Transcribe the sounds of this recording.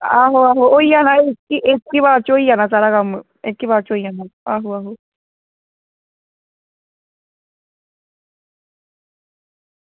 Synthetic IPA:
aɦoaɦoojjanãekiʔekiβat͡ʃuoianasaɾaɣamɨ | ekiβat͡ʃoijanãaɦuaɦu

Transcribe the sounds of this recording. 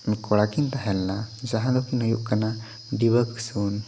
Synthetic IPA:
kɔɽakint̪aɦɛlːad͡ʒaɦãlɔkinɦujuʔkana | ɖibəksun

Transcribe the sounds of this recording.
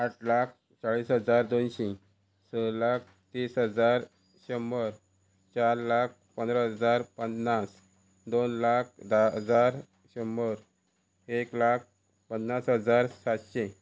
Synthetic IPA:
aʈlak̚ʰ | t͡ɕaɭiːsɦəd͡zaɾd̪onɕẽ | səlak̚ʰ | t̪isɦəd͡zaɾ | ɕəməɾ | t͡ɕaɾlak̚ʰpənd̪ɾəɦəd͡zaɾpənːas | d̪onlak̚ʰd̪ad͡zaɾ | ɕəməɾ | eklak̚ʰ | pənːasɦəd͡zaɾsat̪ɕẽ

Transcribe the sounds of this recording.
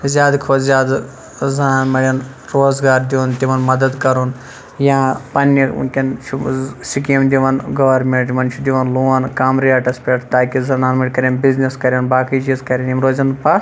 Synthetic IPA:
zʲjaːd̪kʰoːzʲjaːd̪ | zɐnaːnmɐɽʲɐn | ɾoːzɡaːɾd̪iʋont̪iʋɐnmɐd̪ɐd̪kɐɾun | jãːpɐnḭkʲɐn | sikiɐmd̪ʲiʋɐnɡɐʋɐɾmeɳʈmʋɐnt͡ʃʰud̪ʲiʋɐnluːʋɐnkaːmɾiaːʈɐspʲeːʈt̪aːkizɐnaːnmɐɽʲkɐɾjɐnbizniskɐɾʲjɐnbaːkid͡ʒizkɐɾʲɐnjimɾoːzɐnpas

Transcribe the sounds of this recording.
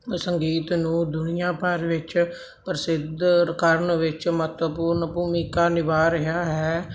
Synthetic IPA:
səŋɡiːt̪nũːd̪ʊnɪjãːpəɾʋɪt͡ʃ | pɾəsɪd̪kəɾɳʋɪt͡ʃmət̪puːɾnpuːmiːkaːnɪʋaːɾəɦaːɦɛː

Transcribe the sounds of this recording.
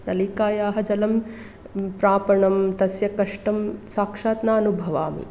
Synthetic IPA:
nɐliːkaːjaːɦɐd͡ʒɐlɐm | pɾaːpɐɳɐmt̪ɐsjɐkɐʂʈɐmsaːkʂaːt̪naːɐnubʱɐʋaːmḭ

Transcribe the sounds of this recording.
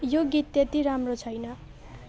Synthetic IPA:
joɡit̪ːet̪iɾamrot͡sʰʌjnʌ

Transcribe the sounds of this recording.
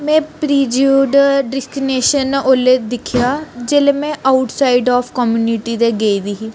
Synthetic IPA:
mɛ̃ːpɾiːd͡ʒuːɖɖɪskineːʃənoːled̪ɪkʰjaːd͡ʒeːlemɛ̃ːʔaʊʈsaːiɖɔːfkɔmjuːniʈid̪eɡeːid̪iːɦiː

